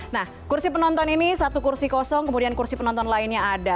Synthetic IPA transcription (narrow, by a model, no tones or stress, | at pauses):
nah | kursipənɔnt̪ɔninisat̪ukursikɔsɔŋkəmudiankursipənɔ̃nt̪ɔnlaɪnɲaada